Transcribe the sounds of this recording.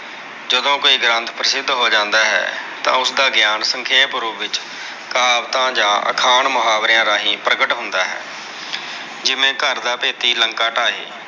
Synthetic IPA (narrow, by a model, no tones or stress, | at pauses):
d͡ʒəd̪õːkoːiːɡɾə̃nt̪ʰpɾəsɪd̪ɦoːd͡ʒãːnd̪aːɦɛ̰ːt̪ã̰ːʊsd̪aːɡɪjaːnsəŋkʰeːpʊɾuːʋɪt͡ʃ | kaːʋt̪ãːd͡ʒãːʔə̰kʰaːɳmʊɦaːʋɾɪjãːɾaːɦĩːpɾəkəʈɦʊnd̪aːɦɛ̰ː | d͡ʒɪmẽːkəɾd̪aːpeːt̪iːləŋkaːʈaːɦḛː